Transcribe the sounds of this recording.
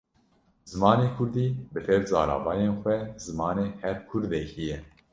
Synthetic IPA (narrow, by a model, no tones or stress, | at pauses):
zɨmɑːneːkʰʊɾd̪iːbɨfɛɾzɑːɾɑ̰ːvɑːjeːnxʷɛzɨmɑːneːhɛɾkʰʊɾd̪ɛkijɛ